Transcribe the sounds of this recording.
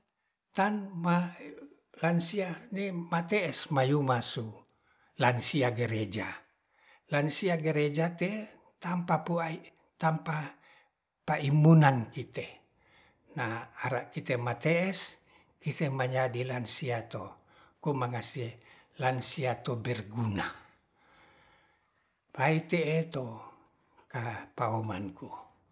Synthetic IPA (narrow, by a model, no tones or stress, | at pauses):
t̪anma | lansianemat̪ɛɛsmajumasu | lansiaɡeɾed͡ʒa | lansiaɡeɾed͡ʒat̪e | t̪ampapuai | t̪ampa | paimunankit̪e | naːɾaʔkit̪emat̪eɛs | kit̪emaɲadilansiat̪o | kumaŋasie | lansiat̪obɛrɡuna | pait̪eːt̪o | kapaomanku